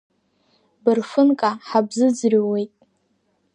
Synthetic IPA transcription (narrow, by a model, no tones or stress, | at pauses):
bɨrfɨnkʼaħabzɨd͡zrʲiwe̞jtʼ